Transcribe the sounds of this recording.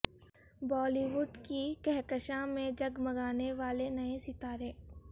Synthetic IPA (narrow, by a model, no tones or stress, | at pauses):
bɔːliʋʊɖkikɛɦkəʃãmẽd͡ʒɐɡmɐɡaːneʋaːlenɐẽsit̪aːɾẽː